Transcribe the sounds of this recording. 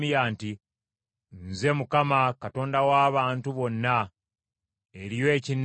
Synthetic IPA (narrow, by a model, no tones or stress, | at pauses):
ijaːnti | nze̞mukamakato̞ːndawaːβaːntuβo̞nːa | eɾije̞ːcin